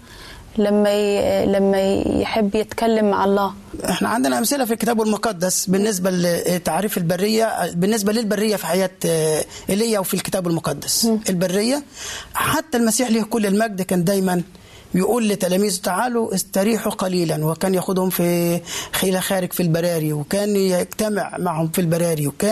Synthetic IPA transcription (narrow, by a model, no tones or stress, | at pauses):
læmːælæmːæj̰ħebːjɪt̪kælːamːaʕɑlˤːɑː | ʔeħnæ̰ʕand̪ɪnæʔæmsɪlæfilkɪt̪æːbælmoqɑd̪ːæsbɪnːɪs̬bælt̪ːaʕɾiːfɪlbarːɪjːæbɪnːɪs̬bælɪlbarːɪjːæfiħajæːt̪ʔɪlːɪjːæwfilkɪ̥t̪æːbælmoqɑd̪ːæsʔɪlbarːɪjːæħat̪ːælmæsiːħliːhkʊlːɪlmæɡ̚d̪kæːnd̪æːjmæn | bɪjɪʔuːlːɪt̪ːælæːmiːzt̪aʕaːluʔɪst̪ɑɾiːħuqɑliːlænwɪkæːnjæxʊd̪hʊmfixelæxæːɾɪɡfilbɑɾˤɑːɾiwɪkæːnjeɡt̪æmɪʕmaʕhʊmfilbæɾˤɑːɾiwɪkæː